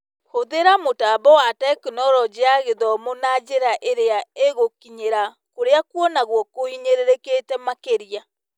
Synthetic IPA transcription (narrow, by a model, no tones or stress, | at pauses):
hoðeɾamotaːbɔwatɛknɔɾɔd͡ʑeaɣeðɔmonad͡ʑeɾaʔeɾeaeɣokiɲeɾa | koɾeakwɔnaɣwɔkoiɲeɾeɾeketɛmakeɾia